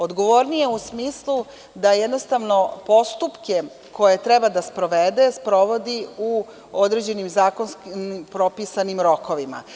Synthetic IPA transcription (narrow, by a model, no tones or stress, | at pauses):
o̞d̪ɡo̞ʋoɾnije̞usmiːslˠu | d̪ajɛd̪no̞st̪aʋno̞po̞st̪upke̞ | ko̞je̞t̪ɾɛbad̪aspɾo̞ʋed̪e̞spɾo̞ʋo̞d̪iu | o̞d̪ɾed͡ʑe̞nimzaːko̞nsknpɾo̞pisanimɾo̞ko̞ʋima̰